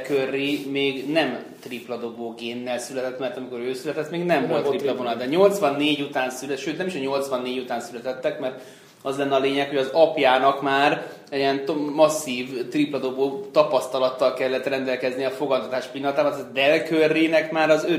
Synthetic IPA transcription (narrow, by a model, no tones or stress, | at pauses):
kørːimeːɡnɛm | t̪riplɒd̪oboːɡeːnːɛlsylɛt̪ɛt̪mɛrt̪ɒmiko̞ɾøːsylɛt̪ɛt̪ːmeːɡnɛmvolt̪riplɒvonɒld̪ɛɲo̞lt̪sʋɒnːeːɟut̪aːnsylɛʃøːt̪nɛmiʃɛɲo̞lt̪sʋɒnːeːɟut̪aːnsylɛt̪ɛt̪ːɛkmɛrt̪ | ɒzlɛnːɛɒleːɲɛkho̞ɟɒzɒpjaːnɒkmaːr | ɛɛnt̪mɒsːiːvt̪riplɒd̪oboːt̪ɒpɒst̪ɒlɒt̪ːɒlkɛlːɛt̪rɛnd̪ɛlkɛzniɒfo̞ɡɒnt̪ɒt̪aːʃpinːɒnt̪aːbɒt̪ɛd̪ɛlkørːiːnɛkmaːɾɒzø